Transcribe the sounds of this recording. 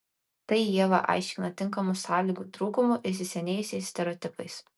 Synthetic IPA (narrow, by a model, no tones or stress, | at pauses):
t̪ɐɪjiɛʋɐ̰ʔɑ̰ˑɪʃʲkʲɪnɐt̪ʲɪŋˑkɐmusɑːlʲiːɡuːt̪ɾuːkʊmuʔɪsʲɪsʲɛnʲɛːjʊsʲɛɪsʲt̪ʲɛɾʲɔːt̪ʲɪpɐɪs